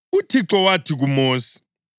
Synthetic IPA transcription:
utʰiǁɔwatʰiɣumoːsi̥

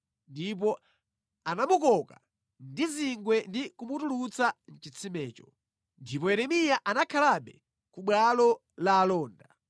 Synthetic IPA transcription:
ndip̬ɔ | anamukɔka | ndiziŋɡwɛndikumutulut͡san̩t͡ʃit͡sʰimɛːt͡ʃɔ | ndip̬ɔjɛɾɛmijaʔanakʰalaɓɛ | kuɓwalɔ | laːlɔːnda

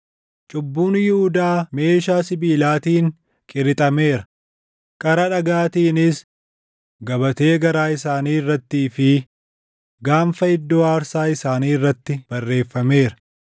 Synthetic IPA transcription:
t͡ʃʼʊbːuːnjɪhʊd̪aːme̞ːʃaːsɪbiːlaːt̪iːŋ | kʼɪɾɪt̪ʼɐme̞ːɾɐ | kʼɐɾɐᶑɐɡaːt̪iːnɪs | ɡɐbɐt̪e̞ːɡɐɾaːɪsaːniːrːɐt̪ːiːfɪ | ɡaːɱfɐɪd̪ːoːaːɾsaːɪsaːniːɪrːɐt̪ːɪb̥ɐrːe̞ːfːɐme̞ːɾɐ̥

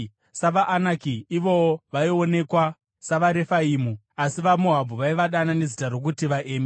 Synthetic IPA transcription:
saʋaʔːnakiːʋo̞oʋaio̞ne̞kwa | saʋaɾe̞faiːmu | asiʋamoɦabʱuʋaiʋaɗanane̞zitarok̬utiʋaʔeːme

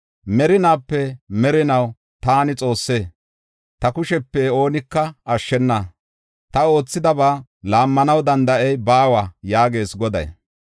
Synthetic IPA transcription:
mɛɾɪnaːpːɛmɛɾɪnɐw | t̪aːnɪt͡sʼo̞ːsːe̞ː | t̪ɐkʊʃɛpːɛo̞ːnɪkːɐɐʃːɛnːa | t̪ɐo̞ːt͡sːɪd̪ɐbaːlaːmːɐnɐwd̪ɐnd̪ɐʔɛjbaːwajaːɡe̞ːsɡɔd̪ɐ̰j

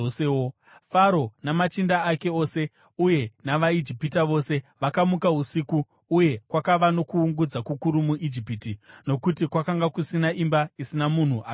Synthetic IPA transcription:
eo | faɾo̞namat͡ʃindaːke̞o̞ːse̞ | uje̞naʋaid͡ʒipitaʋo̞ːse̞ʋakamukaɦusikuː | je̞kwakaʋano̞kuːŋɡud͡zakukuɾumuʔid͡ʒipitino̞kutikwakaŋɡakusinaʔimbaisinamun̤uʔa

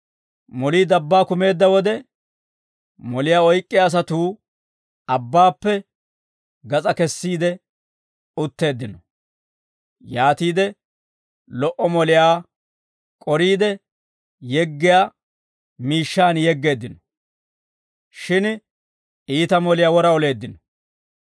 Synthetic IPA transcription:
mɔliːd̪ɐbːaːkʊme̞ːd̪ːɐwɔd̪ɛ | mɔlɪjaːɔjkʼːɪjaːs̬ɐt̪uː | ɐbːaːpːɛ | ɡɐt͡sʼɐkɛsːiːd̪ɛ | ʊt̪ːe̞ːd̪ːɪnɔ | jaːt̪iːd̪ɛ | lɔʔɔmɔlɪjaː | kʼɔɾiːd̪ɛ | jɛɡːɪjaː | miːʃːaːnjɛɡːe̞ːd̪ːɪnɔ̥ | ʃɪn | ʔiːt̪ɐmɔlɪjaːwɔɾɐɔle̞ːd̪ːɪnɔ̥

